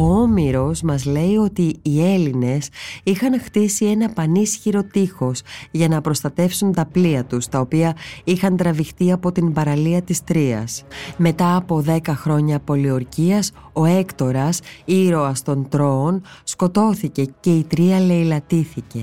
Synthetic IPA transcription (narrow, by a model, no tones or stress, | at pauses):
oomiɾo̞smɐzle̞io̞t̪iːe̞line̞sixɐnxt̪isie̞nɐpɐnisçiɾo̞t̪ixo̞sʝɐnɐpɾo̞st̪ɐt̪e̞fsunt̪ɐpliɐt̪ust̪ɐo̞piɐixɐnt̪ɾɐvixt̪iɐpo̞t̪inbɐɾɐliɐt̪ist̪ɾiɐ̰sme̞t̪ɐːpo̞ðe̞kɐxɾo̞ɲɐpo̞lio̞ɾciɐs | o̞e̞kt̪o̞ɾɐsiɾo̞ɐst̪o̞nt̪ɾo̞ːnsko̞t̪o̞θice̞ce̞it̪ɾiɐle̞ilɐt̪iθice̞